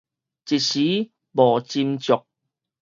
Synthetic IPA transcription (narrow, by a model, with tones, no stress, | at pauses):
t͡ɕi˨t̚ɕi˨˦ | bɔː˨˩t͡ɕi˧mt͡ɕʊ˨˩k̚